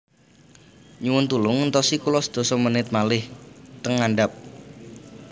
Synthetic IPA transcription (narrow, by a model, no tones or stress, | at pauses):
ɲuwʊnt̪ulʊŋənt̪ɔsikulɔsd̪̥o̤sɔmənɪt̪̚malɪht̪əŋaɳɖap̚